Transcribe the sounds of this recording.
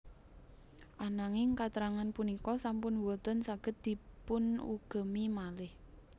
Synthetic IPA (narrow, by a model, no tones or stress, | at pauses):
ʔanaŋɪŋkat̪əɾaŋanpunikɔsampʊnwɔt̪ənsaɡ̥ət̪̚d̪̥i̤pʊnṵɡ̥ə̤mimalɪh